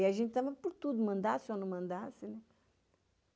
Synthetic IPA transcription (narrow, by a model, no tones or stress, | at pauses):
iaʒẽnt͡ʃ̪t̪ɐ̃mẽpʊɾt̪ud̪umɐ̃nd̪asonɐ̃mɐ̃nd̪asɪnɛ